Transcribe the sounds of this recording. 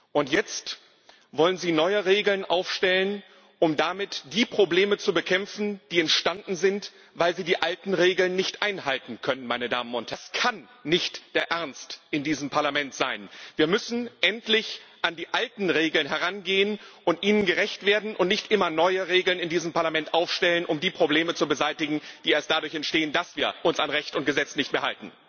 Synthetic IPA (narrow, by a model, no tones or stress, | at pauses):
ʔʊntjɛt͡st | vɔlənziːnɔʏəʁeːɡl̩nʔaʊfʃtɛlən | ʔʊmdamɪtd̥iːpʁ̥obleːmət͡subəkʰɛmfn̩d̥iːɛntʃtandn̩zɪnt | vaɪlziːdiːʔaltn̩ʁeːɡl̩nːɪçtʔaɪnhaltn̩kʰœnənmaɪnəda̰ːmənʊnthɛskʰanː | ɪçtd̥eːɐʔɛɐnstʔɪndiːzəmpʰaɐlamɛntz̥aɪnviːɐmʏsn̩ʔɛntlɪçʔandiːʔaltn̩ʁeːɡl̩nɦɛʁ̞anɡeːənʔʊntʔiːnənɡəʁɛçtv̥eːɐdn̩ʔʊntnɪçtʔɪmɐnɔʏəʁeːɡl̩nɪndiːzəmpʰaɐlamɛntʔaʊfʃtɛlənʔʊmdiːpʁ̥obleːmət͡subəzaɪtɪɡŋ̩d̥iːeːɐstd̥adʊɐçɛntʃteːəndasv̥iːɐʔʊnsanʁɛçtʊnt̚ɡ̥əzɛt͡snɪçt̚meːɐhaltn̩